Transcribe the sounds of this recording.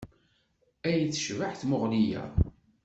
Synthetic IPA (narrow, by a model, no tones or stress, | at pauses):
æjθːə̥ʃvaħθmʊʁlijæ̰